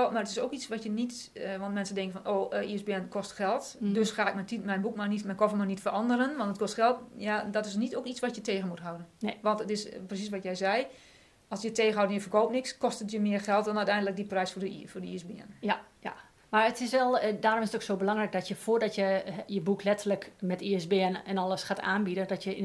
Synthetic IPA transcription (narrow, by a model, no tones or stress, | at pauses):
marətɪsoːkit͡sʋɔtjənitəʋɔntmɛnsəndɪŋkənfɔnʔoːʔiəsbɪənkʰɔstxɛlˠtdøsxaːɪk̚mɛntitmɛjnbukmanitmɛnkɔfəmanitfərʔɔndəɾənʋɔntətkɔstxɛlˠtjadɔtɪsnitokit͡sʋɔtjəteːɣənmutɦawdənʋɔntətɪsprəs̬is̬ʋɔtjɛjzɛj | ɔlˠsjətʰeːɣənhawdnjəfərkoːp̚nɪkskɔstətjəmɪərxɛlˠt̚dɔnœɥtɛjndələkdiprɛjsfʊdəfʊdəisbɪən | a | marətɪsʋɛlˠdaːɾomɪsətoxsoːbəlɑŋrɛjk̚dɔtjəfʊːrdɔtjəjəbukʰlɛtələkmɛtiəsbɪənɛnɔlˠəsxaːtaːnbidəndɔtjə